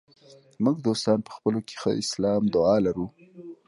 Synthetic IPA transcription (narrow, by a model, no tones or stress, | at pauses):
muɡd̪ost̪ɑnpə̥xpəloke̥xə̰ɪslɑmd̪ʊɑlaɾu